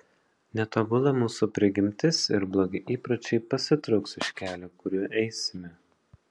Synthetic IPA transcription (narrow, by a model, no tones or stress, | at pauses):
nʲɛt̪oːbʊlˠɐmuːsupʲɾʲɪɡʲɪmʲt̪ʲɪsɪɾblˠoːɡʲɪʔiːpɾɐt͡ʃʲɛɪpɐsʲɪt̪ɾɒʊksɪʃʲkʲæːlʲoːkʊɾʲuːʔɛɪsʲɪmʲɛ